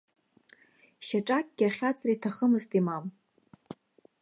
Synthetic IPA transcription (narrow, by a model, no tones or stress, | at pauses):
ʃaʈ͡ʂʼakʼɡʲaχʲat͡sʰʼretʰaχəmɨztʼimam